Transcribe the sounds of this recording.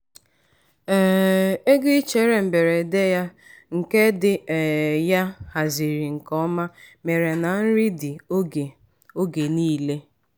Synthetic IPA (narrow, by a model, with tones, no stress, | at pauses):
e˦ɡɪ˦t͡ʃe˨˦ɾe˨m̩˨be˨ɾe˨de˦ja˦ | ŋ̩˨ke˦dɪ˨ja˦ha˨zi˨ɾi˨ŋ̩˨kɔ˦ma˦me˨ɾe˨na˨n̩˦ɾi˦dɪ˨˦˨ | o˦ɡe˨niː˦le˦